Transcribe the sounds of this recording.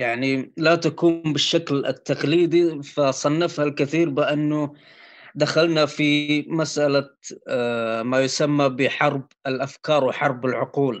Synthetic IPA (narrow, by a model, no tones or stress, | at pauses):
jaʕnilat̪akuːmbɪʃːaklɪt̪ːaqliːd̪ˤifasˤɑnːafhalkɪθiːɾbɪʔanːʊ | d̪axalnafimasʔala | majʊsamːabɪħɑɾˤb | ɪlʔafkɑːɾˤwɪħɑɾˤbɪlʕʊquːl